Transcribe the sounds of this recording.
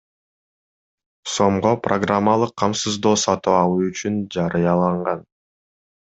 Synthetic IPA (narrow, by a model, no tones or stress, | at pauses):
so̞mʁoprʔoɡramːalˠɯqʰːɑmsɯzd̪o̞ːsɑt̪uɑlˠuyt͡ʃynd͡ʒɑɾɯjɑlˠɑɴʁɑn